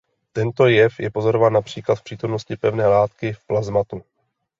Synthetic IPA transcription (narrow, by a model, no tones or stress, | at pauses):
t̪ɛnt̪o̞jɛfjɛpo̞zo̞ɾovaːnːapr̝̥iːklat̪fpr̥iːt̪o̞mnoscɪpɛvnɛːlaːt̪kɪfplazmat̪u